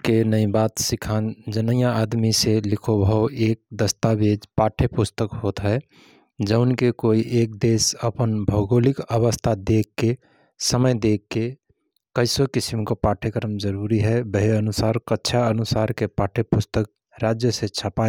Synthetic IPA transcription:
kenəĩbaːt̪sɪkʰand͡ʒənəjãad̪miselɪkʰobʱəoʔeːk̚d̪əst̪abed͡ʒpaːʈʰepʊst̪əkɦot̪ɦɛ | d͡ʒəʊnkekoiʔeːk̚d̪eːsəpənbʱəʊɡoːlikəʋəst̪ʰad̪eːkːe | səməjd̪ekːe | kəɪsokɪsimkopaːʈʰekəɾəmd͡ʒəɾuɾiɦɛbəɦeənʊsaːɾkətːʃʰaənʊsaːɾkepaːʈʰepʊst̪ək̚ | ɾad͡ʒjəset͡ʃʰəpa

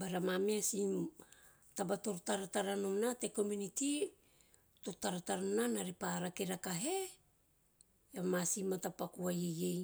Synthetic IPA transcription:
baɾamameasim | tabato̞ɾtaɾataɾanomnate̞ko̞muniti | totaɾataɾananaɾipaɾakeɾakaɦe̞ | jamasimatapakuajejej

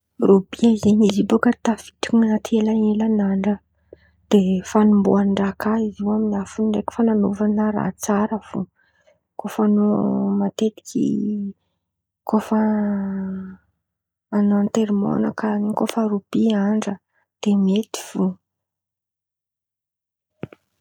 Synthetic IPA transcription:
rub̥iaizeɲizibokət̪afi̥ʈ͡ʂinnat̪ʰelaelanaɳɖ͡ʐə | d̪̥efanumbuaɳɖ͡ʐakaiziwaminafunɳɖ͡ʐekʲi̥fananuvanəɾa̰t͡saɾəv̥ṵ | kofanumat̪et̪i̥kʰʲḭ | kʰofə | nant̪eɾimo̰nakanikofaɾub̥iaɳɖ͡ʐə | d̪̥emet̪i̥v̥u

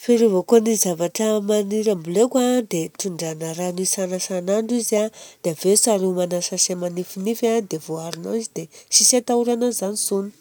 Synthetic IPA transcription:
feɾuvakonizavaʈ͡ʂəmaniɾambulekwad̪eʈ͡ʂuɳɖ͡ʐanaɾanisanasanaɳɖ͡ʐizad̪̥avesaɾumanasasemanifinifad̪evoaɾuna̰izid̪esisat̪auɾanazanisuni̥

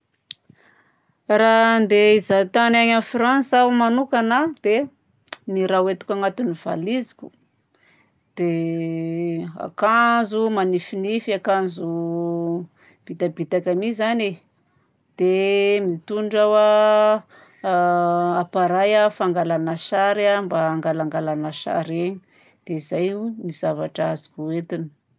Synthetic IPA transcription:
rand̪eizat̪anaɲafransawmanukanad̪̥e | niɾawet̪u̥kʲaŋat̪univ̥a̰lizikʲu̥ | d̪̥e | a̰kanzumanifinifiakanzu | b̥it̪abit̪akamizane | d̪̥emit̪uɳɖ͡ʐawa | apaɾajafaŋɡalanaʃaɾambaːŋɡalaŋɡalanaʃa̰ɾeɲi̥ | d̪̥eizajunizavaʈ͡ʂazi̥kuet̪ini̥

